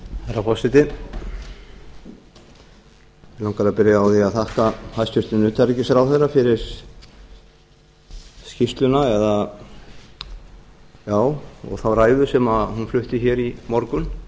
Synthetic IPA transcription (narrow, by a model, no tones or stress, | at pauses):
hajɾafɔsɪt̪ɪ | ɪlawŋkaɾapɪɾjaawθiaðθahkahajst̪ʏst̪ʏnʏːt̪ʰaɾcɪsɾawθejɾːafɪɾɪɾ̥ | scist̪lʏnaɛða | jaːwɔ̰ɣθawraːjðʏsɛmahunflʏht̪ɪçɛɾimɔɾkʏn